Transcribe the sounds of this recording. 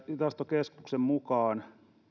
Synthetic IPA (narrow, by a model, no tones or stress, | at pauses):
it̪ɑst̪okeskuksemmukɑːn